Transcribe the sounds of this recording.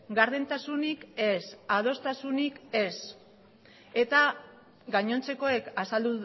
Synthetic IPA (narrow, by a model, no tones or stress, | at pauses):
ɡaɾðent̪asunike̞saðo̞st̪asunike̞s | e̞t̪a | ɡaɲo̞nt͡se̞ko̞e̞kasald̪u